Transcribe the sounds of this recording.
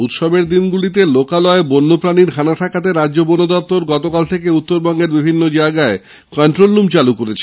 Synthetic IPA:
ut̪ʃɔbeɾd̪inɡulit̪̬elokalɔebonːopɾaniɾkʰanaʈʰakat̪̬eɾadʑobonod̪ɔp̚t̪oɾɡɔt̪okalt̪ʰekeut̪ːoɾbɔŋɡeɾbibʱinːod͡ʑaeɡae | kɔɳʈɾolːumt͡ɕalukoɾet͡ɕʰe

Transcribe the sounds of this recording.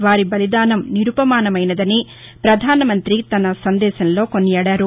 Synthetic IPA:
ʋaːɾibɐlid̪aːnɐmniɾupɐmaːnɐmɐjnɐd̪ɐni | pɾɐd̪ʱaːnɐmɐnt̪ɾit̪ɐnɐsɐnd̪ɛːʃɐnlo̞ːkonːiaːɽaːɾu

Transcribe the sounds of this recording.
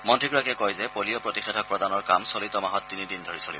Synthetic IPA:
mɔntʰɹikɹakɛkɔjzɛpoliɔpɹotixɛdʰʱɔk̚pɹɔdanɔɹkamsolitɔmaɦɔtːinidindʱoɹisolḭb

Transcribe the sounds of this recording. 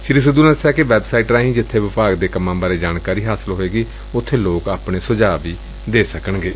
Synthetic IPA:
ʃɪɾis̬əd̪uːnãːsɛːkeʋɛːbsaːiːʈɾaːɦĩːd͡ʒɪt̪ʰːeːʋɪpaːɡd̪eːkəmːãːbaːɾeːd͡ʒaːnkaːɾiːɦaːsɪlɦoːeːɡiː | ʊt̪ʰːeːloːkaːpɳeːsʊd͡ʒaːʋiː | d̪eːsəkəɳɡeː

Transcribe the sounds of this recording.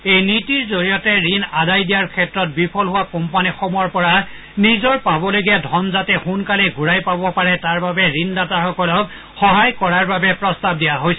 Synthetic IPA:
ejnitiɹzoɹijɔtɛɹinadajdijaɹkʰɛtɹɔt̚bipʰɔlɦʊwakɔmpanixɔmɔɹpɔɹa | nizɔɹpabɔloɡiadʱɔnzatɛxunkalɛɡuɹajpabɔpaɹɛtaɹbabɛɹindataxɔkɔlɔk | xɔɦajkɔɹaɹbabɛpɹɔstab̚dijaɦojsɛ

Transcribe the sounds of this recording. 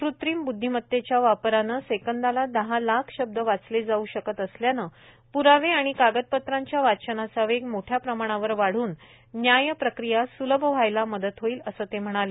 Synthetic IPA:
kɾut̪ɾiːmbud̪ʱːimət̪ːet͡ɕjaʋapɾanəsekənd̪alad̪əɦalakʰɕəb̚d̪əʋat͡sled͡zauɕəkət̪əsljanə | puɾaʋeaɽ̃ikaɡət̪̚pət̪ɾaɲt͡ɕjaʋat͡ɕənasəʋeɡmoʈʰjapɾəmaɽ̃aʋəɾʋaɽ̤uːnː | jajəpɾəkɾijasuləbʱəʋ̤ajlaməd̪ət̪ɦoiːləsəːt̪em̤əɽ̃ale

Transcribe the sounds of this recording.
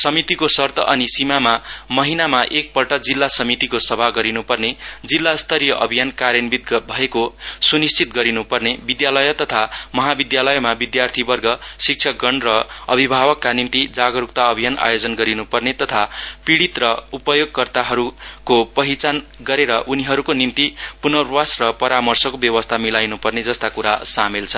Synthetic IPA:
sʌmit̪ikosʌrt̪ʰʌʔʌnisimamamʌɦinamaʔek̚pʌlʈʌd͡zilːasʌmit̪ikosʌbʱaɡʌɾinupʌrned͡zilːast̪ʰʌɾijʌʔʌbʱijankaɾjʌnbit̪̚bʱʌekosunist͡sit̪ɡʌɾinupʌrnebid̪jalʌjʌt̪ʌt̪ʰamʌɦabid̪jalʌjmabid̪jart̪ʰibʌrɡʌsik̚t͡ʃʰʌɡʌɳrʌʌbʱibʱabʌkːanimt̪id͡zaɡʌɾuk̚t̪aʌbʱijana̰jod͡zʌnɡʌɾinupʌrnet̪ʌt̪ʰapiɽit̪rʌupʌjoɡ̚kʌrt̪aɦʌɾukopʌɦit͡sanɡʌɾeɾʌʔuniɦʌɾukonimt̪ipunʌrwasrʌpʌɾamʌrsʌkobjʌwʌst̪ʰamilajnupʌrned͡zʌst̪akuɾa̰samelt͡sʰʌ

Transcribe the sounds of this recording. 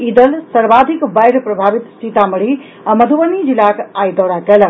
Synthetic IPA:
id̪əlsəɾbad̪ʱikbajɾpɾəbʱabit̪sit̪aməɽ̤i | aməd̪ʱubənid͡ʒilakajd̪ɔɽakel

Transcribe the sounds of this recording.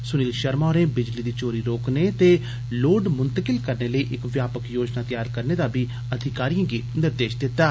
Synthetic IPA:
sʊniːlʃəɾmaːɾẽːbɪd͡ʒliːd̪iːt͡ʃoːɾiːɾoːkneːt̪eː | loːɖmʊnt̪əkɪlkəɾneːləiːʔɪkʋjaːpəkjoːd͡ʒnaːt̪ɪjaːɾkəɾneːd̪aːbiː | əd̪ʱɪkaːɾijãːɡiːnɪɾd̪eːʃd̪ɪt̪ːaː

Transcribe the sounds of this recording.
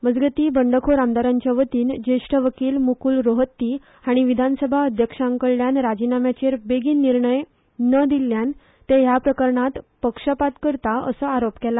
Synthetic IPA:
məd͡zɡət̪iːbəɳɖəkʰoɾamd̪aɾaɲt͡ɕjaʋət̪iːnd͡ʑeʂʈʰəʋəkiːlmukuːlɾoɦət̪ːi | aɽ̃iʋid̪ʱansəbʱaəd̪ʱjəkʂaəŋkəɭːjanɾad͡ʑinamjat͡ɕeɾbeɡiːnːiɾɳəj | nəd̪ilːjan | t̪ejapɾəkəɾɳat̪pəkʂəpat̪kəɾt̪aə̰səaɾopkɛla

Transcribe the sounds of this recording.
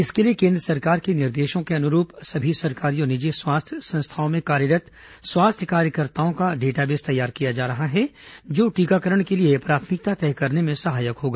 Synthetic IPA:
ɪskeliekẽːnd̪ɾəsɐɾkaːɾkenɪɾd̪eːʃõkeɐnʊɾuːpsɐbʱisɐɾkaːɾionɪd͡ʒeswaːst̪ʰjəsɐ̃nst̪ʰaːõmẽkaːɾjəɾət̪ | swaːst̪ʰjəkaːɾjəkəɾt̪aːõkaɖeːʈabeːst̪ɐjaːɾkijad͡ʒaːɾɐɦaɦɛd͡ʒoːʈiːkakəɾəɽ̃keliepɾaːt̪ʰmɪk̚t̪at̪ɛːkɐɾnemẽsɐɦaːjəkɦoːɡaː

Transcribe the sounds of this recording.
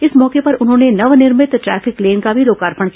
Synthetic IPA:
ɪsmɔːkepɐɾʊnɦõːnenɐʋnɪɾmɪt̪ʈɾɛ̰ːfɪkleːnkabʱiɾoːkaːɾpəɽ̃k

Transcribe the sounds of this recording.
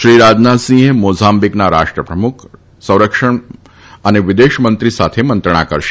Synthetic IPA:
ʃɾiːɾaːd͡ʒnaːsĩɦmoːzaːmbiknaɾaːʂʈɾəpɾɐmʊkʰ | sɐ̃w̃ɾəkʂəɳ | ɐneʋɪd̪eːʃmənt̪ɾisaːt̪ʰemɐnt̪ɾəɳ̃a̰ːkɐɾʃ

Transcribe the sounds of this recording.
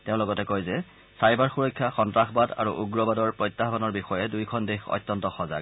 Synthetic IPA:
teʊ̃lɔɡɔtɛkojzɛ | sajbaɹxuɹɔjkʰːjaxɔntɹaxbada̰ɹuʔuɡɹɔbadɔɹpɹɔjtːaɦbanɔɹbixɔjɛdujkʰɔndexɔ̰jtːɔntɔxɔza̰ɡ

